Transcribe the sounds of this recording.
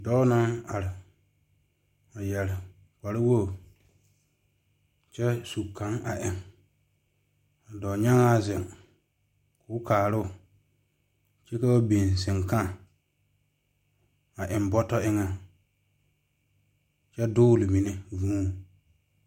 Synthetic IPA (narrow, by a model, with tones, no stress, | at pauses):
dɔː˦na˦a˨ɾɪ˨ | a˨jɛ˨lɪ˨ | ka˨ɾɪ˦wo˦˨ | t͡ʃɛ˦su˨kʰːã˨˦ŋa˨ʔɪ˨ŋ | a˨dɔ˨ɲa˦ŋa˦zɪ˨ŋ | kʊː˨˦kaː˨ɾʊ˦ʊ˨ | t͡ʃɛ˦ka˦wa˦be˨n˨sɪ˨ŋka˦˨ | a˨ʔɪ˨mbɔ˦tɔ˦ʔɪ˦ŋa˦ | t͡ʃɛ˦dʊː˦lɪ˨mi˨nɛ˦vũː˦˨